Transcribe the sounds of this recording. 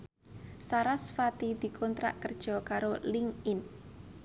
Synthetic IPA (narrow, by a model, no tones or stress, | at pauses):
saɾasfat̪id̪̥i̤kʰɔnt̪ɾa̰ʔkərd̥ʒ̥ɔ̤kaɾoliŋɪn